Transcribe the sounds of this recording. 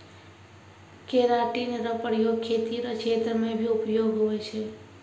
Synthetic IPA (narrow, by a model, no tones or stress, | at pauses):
keɾaʈinɾʌpɾjoɡkʰːet̪iɾʌt͡ʃʰet̪ɾəmebʱiupjoɡɦojt͡ʃʰɛ